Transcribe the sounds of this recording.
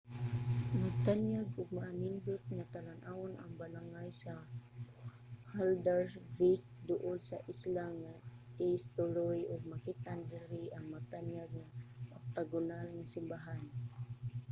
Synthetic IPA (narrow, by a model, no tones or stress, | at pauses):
maɡ̚t̪anjaɡʔʊɡ̚maamindʊt̪̚ŋat̪alanʔawʊnʔa̰ŋbalaŋajsa | hald̪aɹvik̚ | d̪ʊʔʊlsaʔislaŋa | ist̪ʊɾojʊɡ̚makit̪andɪɾiʔaŋmaɡ̚t̪anjaɡ̚ŋaʔʊk̚t̪aɡʊnalŋasɪmbaɦan